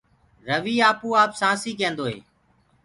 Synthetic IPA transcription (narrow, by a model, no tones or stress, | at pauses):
ɾəʋiːaːpuːaːpsãːsiːk̬ẽːnd̪oːɦḛː